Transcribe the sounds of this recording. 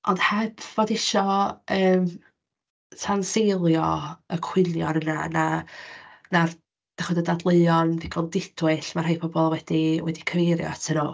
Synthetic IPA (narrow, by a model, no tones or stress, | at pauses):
ʔɔndhabvodɪʃɔəːm | tʰansejlˠjɔəkʰw̥ɪljɔɾənana | nar | d̥aχɔdədadlˠeɨɔnviɡʰɔlˠdɪd̥wɨɬmarhajpʰɔbɔlˠwɛdiwɛdikʰəvejɾjɔ̰tʰənu